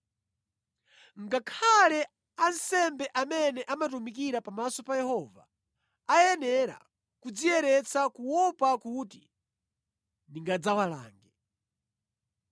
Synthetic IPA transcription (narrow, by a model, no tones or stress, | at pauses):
ŋɡakʰalɛ | ansɛmbɛʔamɛnɛʔamat̬umik̬iɾapamasɔpajɛhɔva̰ | ajɛnɛɾa̰ | kud͡ziɛɾɛt͡sakuwɔpakuti | niŋɡad͡zawala̰ːŋɡɛ